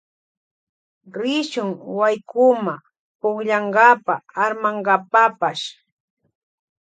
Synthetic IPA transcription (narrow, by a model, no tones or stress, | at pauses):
ɾɪʃʊŋwajkʊma | pʊχʎɑɴɢɑpaːɾmaɴɢɑpapaʃ